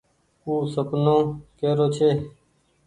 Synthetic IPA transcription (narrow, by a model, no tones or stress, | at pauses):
uːsəpnõːkeːɾoːt͡ʃʰeː